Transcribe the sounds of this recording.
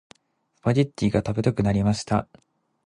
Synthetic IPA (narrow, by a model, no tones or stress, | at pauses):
pad͡ʑit̪ʲːiːɡat̪abe̞t̪okɯ̟naɾʲimaɕi̥t̪a